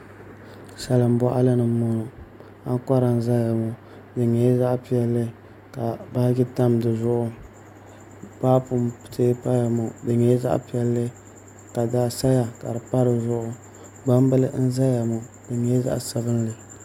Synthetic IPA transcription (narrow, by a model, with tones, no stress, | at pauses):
ʃa˨lɨ˨m̩˦bɔ˦ʔa̰˦lɨ˦nɨ˨˦mo˦nʊ˨ | a˦ŋ˦ka˦ɾa˨n̩˦za˦ja˨mʊ˨ | dɨ˨ɲe˦za˦ʔpi˦ɛ˦lːɨ˦ | ka˨ba˦ɡɪ˦ta˦mdɨ˨zʊ˦ʔʊ˦ | paː˦pʊ˦m˨tʰeː˦pa˦ja˨mʊ˨dɨ˨ɲe˦za̰˦ʔpi˦ɛ˦lːɨ˦ | ka˨daː˨sa˦ja˨ka̰˨ɾɨ˨pa˦ɾɨ˨zʊ˦ʔʊ˦ | ɡ͡ba˦m˦bɨ˦lɨ˦n̩˦za˦ja˨mʊ˨ | dɨ˨ɲɛ˦za̰˦ʔsa˨bɨ˦n˦lɨ˨